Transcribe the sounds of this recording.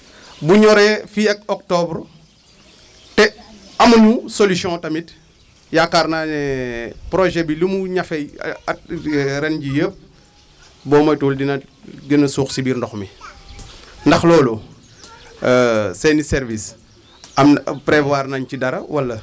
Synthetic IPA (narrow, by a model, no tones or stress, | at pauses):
buɲɔɾɛfiɐk̚ɔk̚tɔbr | tɛ | ɐmɐnusolisjɔ̃tɐmit | jakːarnanɛpɾoʒɛbilumuɲɐfɛj | ɾɛnɟijəːp̚ | bɔːmɐjtuːldinɐdinɐsuːxsibiːɾndɔxmi | ndɐxlɔːlu | sɛnisɛɾvis | ɐmpɾɛvaːrnaɲcidɐɾɐwɐlːɐ